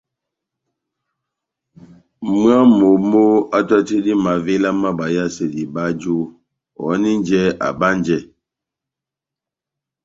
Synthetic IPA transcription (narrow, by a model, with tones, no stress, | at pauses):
mu˦a˦mo˨˦mo˦a˦tɔ˦ti˦di˦ma˨vi˦la˦ma˦ba˨ja˦se˨di˨ba˦d͡ʒu˦ | ɔ̰˨˦ni˦n˦d͡ʒɛ˦a̰˨ba˦n˦d͡ʒɛ˨